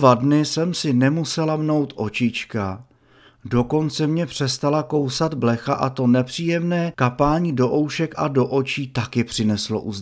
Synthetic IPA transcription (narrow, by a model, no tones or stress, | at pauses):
vadnɪsɛmsɪnɛmusɛlamno̞wt̪ʔo̞t͡ʃɪt͡ʃka | do̞ko̞nt͡sɛmɲɛpr̝̥ɛst̪alako̞wsad̪blɛxaʔat̪o̞nɛpr̥iːjɛmnɛːkapaːɲiːdo̞ʔo̞wʃɛkʔado̞ʔo̞t͡ʃiːt̪akɪpr̥ɪnɛslo̞̰ʔuz